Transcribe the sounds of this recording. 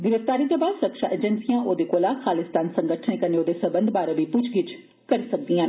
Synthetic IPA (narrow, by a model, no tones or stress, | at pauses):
ɡɪɾəʋt̪aːɾit̪oːbaːd̪səkʃaʔeːd͡ʒənsijãːʔoːd̪ekoːlaːxʰaːlɪst̪aːnsəŋɡəʈʰnekəneoːd̪esəbənd̪baːɾabipʊt͡ʃʰɡɪt͡ʃ | kɐɾisək̚d̪iãːn